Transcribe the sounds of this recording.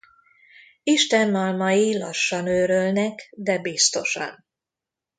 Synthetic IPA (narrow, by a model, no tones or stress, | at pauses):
iʃt̪ɛnːɒlmɒjilɒ̰ʃːɒnøːɾølnɛkd̪ɛbist̪o̞ʃɒ̰n